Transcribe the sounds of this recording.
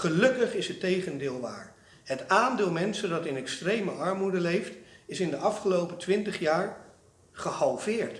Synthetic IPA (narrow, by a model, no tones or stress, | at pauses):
χəlɵkəχɪsətejχəndɪːlˠʋa̰ːɹ | ɦətaːndɪːlˠmɛnsəndɑtɪnɛkstrejməʔɑɹmudəlejftɪsɪndəʔɑfχəlowpətʋɪntəχjaːɹ | χəhɑlˠvɪːɹt